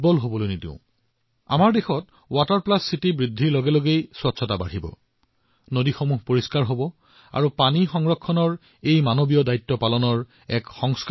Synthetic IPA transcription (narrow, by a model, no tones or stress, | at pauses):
bɔlɦobɔlojnitḛ̃ʊ̃ | a̰maɹdexɔt | wataɹplasːitibɹidʱːiɹloɡɛloɡejswɔtsʰɔtaba̰ɹibɔ̰ | nodixomuɦpoɹiskaɹɦobɔ | a̰ɹupanixɔŋɹɔkʰːɔnɔɹ | ejmanobijɔdajtːɔpalɔnɔɹ | ɛkxɔŋsk